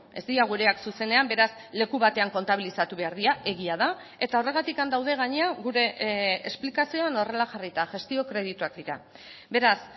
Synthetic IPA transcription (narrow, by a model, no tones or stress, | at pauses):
e̞zd̪iaɣ̞uɾe̞aksuse̞ne̞ambe̞ɾas | le̞kuβat̪e̞aŋko̞nt̪aβ̞ilisat̪uβe̞aɾðiaʔe̞ɣiaða | e̞t̪ao̞re̞ɣat̪ikand̪awð̞e̞ɣ̞aɲeaɣuɾe̞ːsplikasio̞ano̞re̞laxarit̪aʝe̞st̪io̞kɾe̞ð̞it̪uakd̪iɾa̰ | be̞ɾas